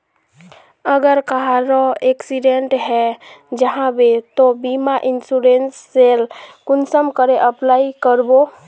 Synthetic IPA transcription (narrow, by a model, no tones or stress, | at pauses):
əɡəɾkaɦaɾoeksiɖeɳʈɦɛd͡ʒəɦãbet̪obimaʔɪnsuɾensːelkʊnsəmkəɾeʔəplaːikəɾbo